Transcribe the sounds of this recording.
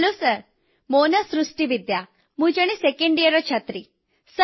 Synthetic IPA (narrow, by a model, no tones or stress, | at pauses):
losəɾ | monəsɾuʂʈiʋid̪ja | mũd͡ʒəɽ̃isekeɳɖijəɾɔt͡ʃʰət̪ɾi | sə